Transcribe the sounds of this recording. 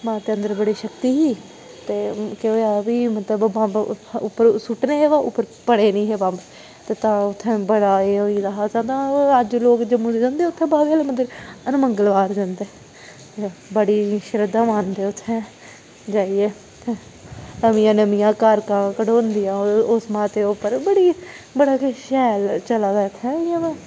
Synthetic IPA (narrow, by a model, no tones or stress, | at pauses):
mãːt̪eːə̃nd̪əɾbəɽeːʃəkt̪iːɦiː | t̪eːkɪoːjaːʋiːmət̪ləbãːʊpːəɾsʊʈneːɦeːʋãːʔʊpːəɾpəɽeːnĩːɦeːbaːb | t̪eːt̪ãːʊt̪ʰːɛ̃ːbəɽaːeːoiːd̪aɦaːt̪ãːt̪ãːəd͡ʒloːkd͡ʒəmũd̪d͡ʒãːnd̪eːʊt̪ʰːɛ̃ːbaːbeːleməd̪əɾənməŋɡəlʋaːɾd͡ʒãːnd̪eː | tebəɽiːʃəɾəd̪ãːmaːnd̪eːʊt̪ʰːɛ̃ː | d͡ʒaːiːeː | t̪e | nəmɪjãːnəmɪjãːkaːɾkãːkəɽõːnd̪ijãːosmãːt̪eːopːəɾbəɽiːbəɽaːkʃɛːlt͡ʃəlaːd̪aːɪt̪ʰːɛjãʋɛ̃ː